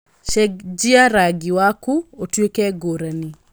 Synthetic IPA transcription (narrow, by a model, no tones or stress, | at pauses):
ʃɛkd͡ʒiaɾaɡiwakuotwekɛɡoɾani